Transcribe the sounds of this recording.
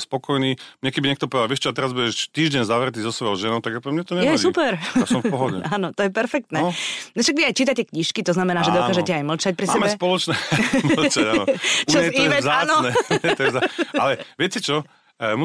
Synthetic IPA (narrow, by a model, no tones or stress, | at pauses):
spɔkɔjniːmɲɛkɛbiɲɛkt̪ɔp̬ɔʋɛd̪alʋɛʃt͡ʃɔat̪ɛɾazbuɟɛʃt̪iːʒɟɛɲzaʋɾɛt̪iːzɔsʋɔjɔʊʒɛnɔʊt̪aɡapɛmɲɛt̪ɔɲɛjɛsupɛɾsɔmfpɔɦɔɟɛ̰aːnɔt̪ɔjɛpɛɾfɛkt̪nɛːnɔʃaɡʋiajt͡ʃiːt̪acɛkɲiʃkit̪ɔznamɛnaːʒɛd̪ɔaːʒɛcɛajml̩t͡ʃac̚pɾisma̰ɛːmɛspɔlɔt͡ʃnɛml̩t͡ʃaɟanɔut͡ʃazɛiɛɛaːnɔnɛɛt̪ɔɛzaalɛʋɪɛcɛt͡ʃɔ | mu